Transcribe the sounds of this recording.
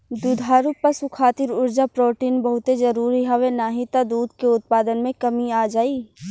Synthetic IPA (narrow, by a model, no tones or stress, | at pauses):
d̪ud̪ʱaːɾupɐsukʰaːt̪ɪɾʊɾd͡ʒapɾoːʈiːnbɐɦʊt̪ezɐɾuːɾiɦɐʋenaːɦit̪ad̪uːd̪keʊt̪̚paːd̪ənmẽkɐmiaːd͡ʒaːiː